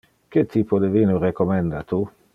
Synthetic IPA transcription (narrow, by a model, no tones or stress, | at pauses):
ket̪ʰːiːpod̪eviːnorekomɛnd̪at̪u